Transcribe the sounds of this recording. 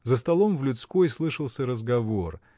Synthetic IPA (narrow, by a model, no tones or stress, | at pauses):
zəst̪ɐlˠo̞mvlʲʊt̪skojslˠɨʂəlˠsʲəɾəzɡɐvor